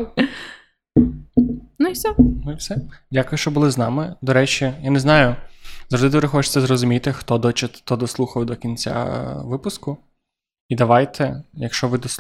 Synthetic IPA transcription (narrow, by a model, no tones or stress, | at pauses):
nʊiwsʲɔnʊiwsɛdʲakʊjʊʃt͡ʃɔbʊlˠɪznɑmɪd̪ɔɾɛt͡ʃʲijanɛznɑjʊzɾɔd̪ɪd̪ʋɾɪxɔt͡ʃɪ̥t͡s̪ːɛzrɔzʊmʲit̪ɪxt̪ɔd̪ɔt͡ʃɪt̪ːɔd̪ɔslˠuxɐwd̪ɔkʲinʲt͡sʲa̰ʋɪpʊskʊ | id̪ɐʋɑjt̪ʰɛjɐkʃt͡ʃɔʋɪd̪ɔ